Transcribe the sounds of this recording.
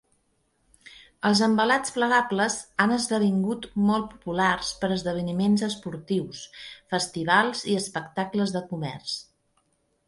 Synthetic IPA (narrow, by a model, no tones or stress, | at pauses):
əlˠzəmbəlat͡spləɣabləzanəzðəβ̞iŋɡut̪mɔlˠt̪̚pu̥pularspəɾəzðəβ̞ənimenzəspuɾt̪iwsfəst̪iβ̞alˠziəspəkt̪akləzðəkumɛ̰rs